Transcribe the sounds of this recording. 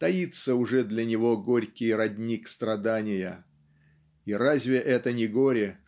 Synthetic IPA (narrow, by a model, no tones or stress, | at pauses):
t̪ɐjit̪səʊʐɛd̪lʲɐnʲɪvo̞ɡoɾʲkʲɪjɾɐdʲnʲikst̪ɾɐd̪anʲɪjə | iɾazʲvʲɪʔɛt̪ənʲɪɡo̞ɾʲɪ